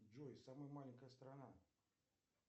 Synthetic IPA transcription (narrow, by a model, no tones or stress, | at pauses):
d͡ʒojsaməjəmalʲɪnʲkəjəst̪ɾana